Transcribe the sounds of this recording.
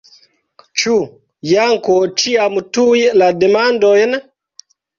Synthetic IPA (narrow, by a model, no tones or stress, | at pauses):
t͡ʃu | jaŋkɔt͡ʃiamutujladɛmandɔjɛna